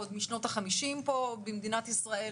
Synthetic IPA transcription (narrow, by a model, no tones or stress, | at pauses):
od̪miʃno̞taχamiʃimpo̞bemd̪inat̪isʁae